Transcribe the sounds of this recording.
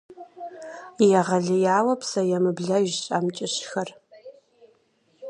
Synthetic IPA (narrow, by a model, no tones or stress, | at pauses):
jaʁɐɮɪjaːwɐpʰsɐjamɨbɮɐʒɕʼamt͡ʃʼɪɕxɐr